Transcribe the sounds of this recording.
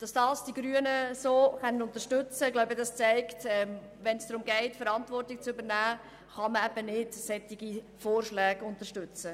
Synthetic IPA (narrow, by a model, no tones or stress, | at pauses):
d̥ɑsd̥ɑːsd̥iɡɾyənəsoːχɛnːənʊnt̪əʃtʏt͡səɡlaʊbədɑst͡sɛɪktɛm | ʋɛnsd̥ɾʊmɡɛɪtfəɾɑntvʋɔrtɪk̚t͡sʏbəɾnæː | χɑməɛb̥ənɪdsɛtːɪɡi | foːrʃlɛːɡʊntəʃtʏt͡sə